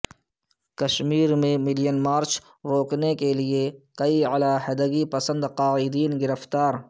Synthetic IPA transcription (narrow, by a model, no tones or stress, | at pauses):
kɐʃmiːɾmẽmɪlijənmaːɾt͡ʃ | ɾoːknekeliekɐiəlaːɦɐd̪əɡipɐsə̃nd̪qaːɪd̪iːnɡɪɾəft̪aːɾ